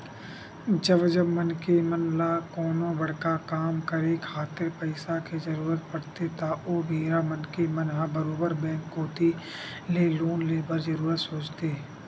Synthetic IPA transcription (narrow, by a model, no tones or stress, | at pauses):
d͡ʒəbd͡ʒəbmənkemənlakɔːnõbɐɽ̤kakaːmkəɾekʰaːt̪ɪɾpəɪsakezɐɾuːɾət̪̚pɐɽt̪et̪aʔoːbʱiːɾamənkemənɦabəɾoːbəɾbɛ̃ːŋkːoːt̪i | leːloːnleːbəɾzəɾuːɾət̪soːt͡ʃt̪eː